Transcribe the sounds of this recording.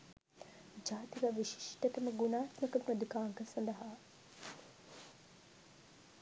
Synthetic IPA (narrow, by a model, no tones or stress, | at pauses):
d͡ʒaːt̪ikaʋiʃi̥ʂʈət̪əməɡunaːt̪məkəpnod̪ikaːŋkəsɐnd̪ɐɦaː